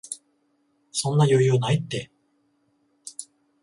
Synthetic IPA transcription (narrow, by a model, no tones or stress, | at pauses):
sõ̞nːajojonait̪ːe̞